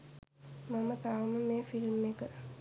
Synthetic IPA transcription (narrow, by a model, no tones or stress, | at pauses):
mamət̪aʋəməmeːfilmekə